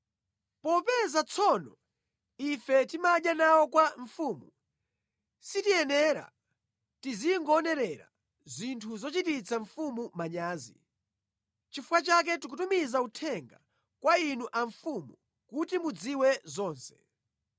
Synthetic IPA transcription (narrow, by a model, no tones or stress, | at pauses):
pɔpɛzat͡sʰɔnɔ | ifɛtimaʄjanawɔkwaɱ̩fuːmu | sitiɛnɛɾa̰ | tiziŋɡɔːnɛɾɛɾa̰ | zintʰuzɔt͡ʃitit͡sʰaɱfumumaɲaːzḭ | t͡ʃifukat͡ʃak̬ɛtik̬utumizautʰɛŋɡa | kwainuʔaɱfumu | kutimud͡ziwɛzɔːnsɛ̥